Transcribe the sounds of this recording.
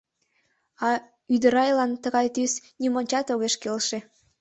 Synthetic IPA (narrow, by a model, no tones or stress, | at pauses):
ɑ | yd̪əɾɑjlɑnt̪əɣɑjt̪ysnimonʲt͡ɕɑt̪oɣeʃkelʃe